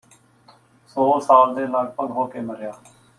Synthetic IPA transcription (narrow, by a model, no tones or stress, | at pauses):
soːsaːld̪eːlaɡ̚pəɡɦoːkeːməɾjaː